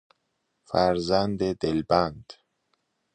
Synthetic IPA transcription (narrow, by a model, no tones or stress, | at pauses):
fæɾzænd̪ed̪elbænd̪̥